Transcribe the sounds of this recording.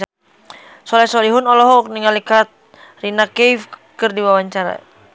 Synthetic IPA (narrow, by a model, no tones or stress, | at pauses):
sɔlɛsɔliɦunɔlɔɦɔk̚niŋalikat̪̚ | rinakɛjfkɨrdiwawaɲt͡ʃaɾa̰